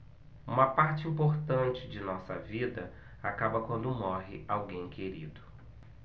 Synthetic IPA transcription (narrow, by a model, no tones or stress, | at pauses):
ũmɐpaɾt͡ʃɪĩmpoɾt̪ɐ̃nt͡ʃɪd͡ʒɪnɔsɐ̰vid̪ɐ | akabɐkwɐ̃nd̪ʊmɔɦɪ̰awɡẽj̃kʰeɾḭd̪ʊ